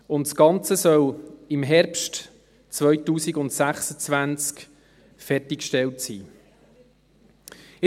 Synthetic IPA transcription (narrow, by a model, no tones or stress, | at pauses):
ʊntsɡ̥ɑnt͡səsœlɪmɦɛɾpʃt | t͡svœjtuːsiɡʊntsæχsət͡svænt͡sk | fɛrtikʃtɛltsiː